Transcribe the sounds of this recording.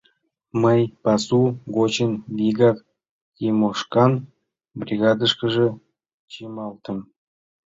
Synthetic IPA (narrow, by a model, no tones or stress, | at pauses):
məjpɑsuɡot͡ɕənvʲiɡɑk | kimoʂkɑn | brʲiɣɑd̪ə̆ʂkə̆ʒə̆ | t͡ɕemɑlˠt̪ə̆m